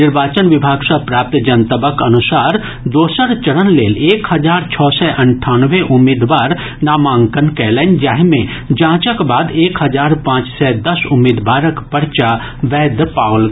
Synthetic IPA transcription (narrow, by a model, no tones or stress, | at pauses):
nɪɾbaːt͡ʃənʋɪbʱaːɡsɐpɾaːp̚t̪d͡ʒɐnt̪əbəkɐnʊsaːɾ | d̪oːsəɾt͡ʃɐɽənleːleːkhɐd͡ʒaːɾt͡ʃʰɔːsɛʔɐɳʈʰaːnʋeʔʊmiːd̪ʋaːɾ | naːmãːŋkənkɛːlɛnd͡ʒaɦmẽ | d͡ʒãːt͡ʃəkbaːd̪eːkhɐd͡ʒaːɾpãːt͡ʃsɛd̪ɐsʊmːeːd̪baːɾəkpɐɽt͡ʃa | ʋɛːd̪paːl